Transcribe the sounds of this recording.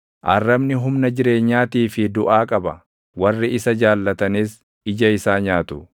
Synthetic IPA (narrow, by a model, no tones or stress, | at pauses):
ʔɐrːɐbnɪɦʊmnɐd͡ʒɪɾe̞ːɲːaːt̪iːfɪd̪ʊʔaːkʼɐbɐ | wɐrːɪɪsɐd͡ʒaːlːɐt̪ɐniːs | ɪd͡ʒɐɪsaːɲaːt̪ʊ̥